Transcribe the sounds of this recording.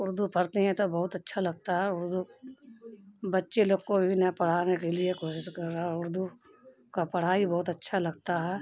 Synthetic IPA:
ʊɾd̪upʰɐɾt̪eɦɛ̃t̪obɐɦʊt̪ɐtːʃʰalɐɡ̚t̪aɦɛʊɾd̪u | bɐtːʃeloːɡkobʱinɐpɐɽ̤aːnekeliekoːʃɪʃkɐɾːaːɦɛʊɾd̪u | kapɐɽ̤aːibɐɦʊt̪ɐtːʃʰalɐɡt̪aɦɛː

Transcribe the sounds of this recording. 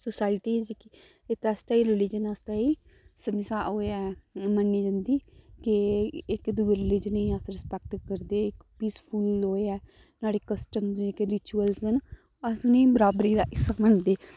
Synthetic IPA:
sosaːɪʈiːd͡ʒeki | ɪt̪əst̪aːiːɾɪlɪd͡ʒənəst̪aːiː | səmɪsaːɦoːeɛːmənːiːd͡ʒãːnd̪iːkɪɪkd̪uːɾɪlɪd͡ʒənĩːəsɾɪspɛːk̚ʈkəɾd̪eːɪkpiːspʰʊloːeɛː | naːɽeːkəsʈəmzekɾɪt͡ʃuːəlsən | əsnĩːbəɾaːbɾiːd̪aːʔɪsːaməɳd̪eː

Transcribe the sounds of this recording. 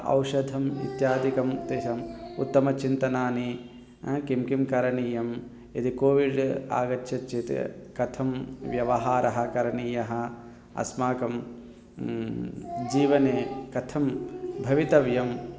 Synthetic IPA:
ɐ̰wʃɐd̪ʱɐmḭt̪jaːd̪ikɐmt̪eːʃɐmṵt̪ːɐmɐt͡ʃint̪ɐnaːni | kimkimkɐɾɐɳiːjɐm | id̪ikoːʋiɖa̰ːɡɐt͡ʃʰːɐt͡ʃːit̪kɐt̪ʰɐmʋjɐʋɐɦaːɾɐɦɐ̆kɐɾɐɳiːjɐɦɐ | ɐ̰smaːkɐm | d͡ʒiːʋɐneːkɐt̪ʰɐmbʱɐʋit̪ɐʋjɐm

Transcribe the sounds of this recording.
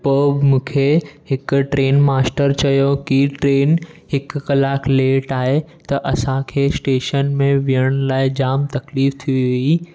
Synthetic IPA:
poːbmũːkʰeɦɪkʈɾeːnmaːsʈəɾt͡ɕɐjokiʈɾeːn | ɦɪkːɐlaːkʰleːʈaːɦe | t̪ɐʔɐsãkʰeːsʈeːʃənmẽʋijəɽ̃laːɪd͡ʑaːmt̪ɐkliːft̪ʰiʋi

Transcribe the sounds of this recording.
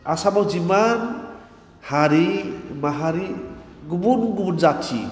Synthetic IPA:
asabawziman | haɾimaɦaɾi | ɡubunɡubunzatʰḭ

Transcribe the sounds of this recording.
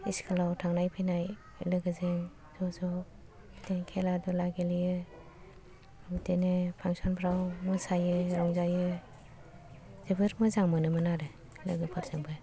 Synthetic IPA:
iskʰalawtʰaŋnajpʰɯjnaj | lɯɡɯzɯŋ | z̥ɔzɔ | biteŋkʰeladɔlaɡelijɯ | bitʰenɯpʰaŋsɔnpʰɾawmɯsajɯɾɔŋzajɯ | zebɯɾmɯzaŋmɯnɯmɯnaɾɯ | lɯɡɯpʰɯɾzɯŋbɯ

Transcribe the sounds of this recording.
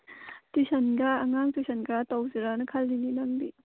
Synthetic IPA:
tisɐnɡaːŋaŋtisʰɐnɡatawziɾanɐkʰɐlːininɐŋdi

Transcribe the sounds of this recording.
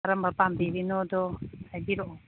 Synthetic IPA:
ɾəmbapambiɾinɔdɔajbiɾɔʔ

